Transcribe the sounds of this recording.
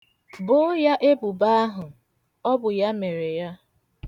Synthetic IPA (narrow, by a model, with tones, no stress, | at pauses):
bʊ˦ja˦ʔe˦bu˨ba˦ɦʊ˨ | ɔ˦bʊ˨ja˦me˨ɾe˨ja˦